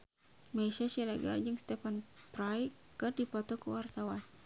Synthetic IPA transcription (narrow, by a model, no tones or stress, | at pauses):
mɛsasilaɡard͡ʒɨŋst̪ɛfanpɾaj | kɨrdipɔt̪ɔkuwart̪awan